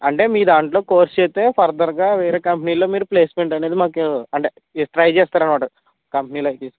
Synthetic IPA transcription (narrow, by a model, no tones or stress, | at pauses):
ɐɳʈe̞ːmiːd̪aːɳʈlo̞ːko̞ːɾst͡ʃeːt̪e̞ːpʰɐɾd̪ɐɾɡaːʋeːɾeːkɐmpniːlo̞ːmiːɾupleːsmeɳʈɐneːd̪imaːkuɐɳʈe̞ | ʈɾɐjt͡ʃɛːst̪aːɾɐnʋaːʈu | kɐmpniːloːɐjt̪iːs